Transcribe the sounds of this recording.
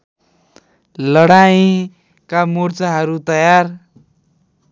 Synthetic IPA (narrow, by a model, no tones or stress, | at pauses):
lʌɽaj̃ | kamurt͡saɦʌɾut̪ʌjar